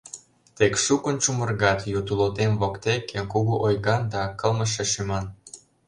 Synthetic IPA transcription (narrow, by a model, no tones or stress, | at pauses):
t̪ekʃukə̆nt͡ʃumərɣɑt̪jut̪ulot̪emvokt̪ekːekuɣuʔojɣɑnd̪ɑkɤlməʃeʃymɑn